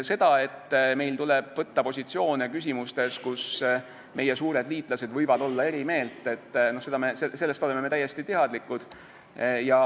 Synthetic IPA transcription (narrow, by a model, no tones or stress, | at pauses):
se̞d̪̥ɑe̞t̪ːme̞jlt̪uleb̥vɤt̪ːɑpo̞sʲit̪sio̞ːnekys̬ʲimust̪e̞skus | mʔe̞jesuːɾe̞d̪liːt̪ˑlɑse̞d̪vɤjvɑd̪o̞lːɑe̞ɾime̞ːlt̪ːˑe̞t̪ːno̞hse̞d̪̥ɑmesese̞lːe̞st̪o̞le̞meme̞t̪æjːe̞st̪it̪eɦɑd̪likːˑud̪̥ | jɑ